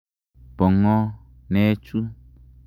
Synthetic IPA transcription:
b̥ɔ˨ŋɔ̃˦ | nɛ̃˨˦t͡ʃu˦

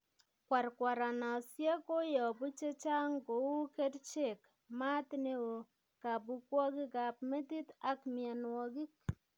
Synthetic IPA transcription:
kwa˨ɾkwa˨ɾa˨na˨sje˦ko˦jɔ˨bu˦t͡ʃe˦t͡ʃa˦ŋɡo˨wu˦ke˦dt͡ʃe˨k | ma˦t̪nɪ˦o˨ | ka˨bu˦kwɔ˦ɡɪ˦ɡa˨pme˦t̪i˦t̪a˦kmɪa˨nwɔ˨ɡi˦k

